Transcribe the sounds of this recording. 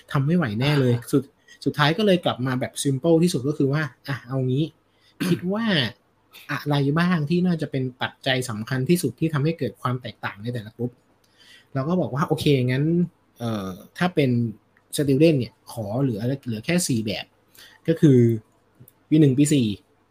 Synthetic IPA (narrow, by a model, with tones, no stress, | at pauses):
t̪ʰa˧mːa˥˩jwa˨˩˦jnɛː˥˩lɤː˧jsu˨˩t̪̚ | su˨˩t̪ʰːaː˦˥jkɔ˥˩lɤː˧jkla˨˩p̚maː˧bɛː˨˩p̚si˧mpɤː˥˩wt̪ʰiː˥˩su˨˩t̪̚kɔː˥˩kʰɯː˧waː˥˩ʔa˧˩ʔa˧wniː˦˥ | kʰi˦˥t̪̚waː˥˩ | ʔa˨˩ʔɾa˧jbaː˥˩ŋt̪ʰiː˥˩naː˥˩t͡ɕa˨˩pe˧npa˨˩t̪̚t͡ɕa˧jsa˩˦mkʰa˧nt̪ʰiː˥˩su˨˩t̪ʰːiː˥˩t̪ʰa˧mha˥˩jkɤː˨˩t̪̚kʰwaː˧mt̪ɛː˨˩k̚t̪aː˨˩ŋna˧jt̪ɛː˨˩la˦klu˦˥p̚ | lɛː˦˥wkɔː˥˩bɔː˨˩k̚waː˥˩ʔoː˧kʰeː˧ŋa˦˥n | ʔɤː˨˩t̪ʰaː˥˩pe˧n | sa˧t̪i˧wle˥˩nːi˧˥˩ɐkʰɔː˩˦lɯː˩˦ʔla˧˥lɯː˩˦ɐkʰɛː˥˩siː˨˩bɛ̰ː˨˩p̚ | kɔː˥˩kʰɯː˧ | piː˧nɯ˨˩ŋpiː˧siː˨˩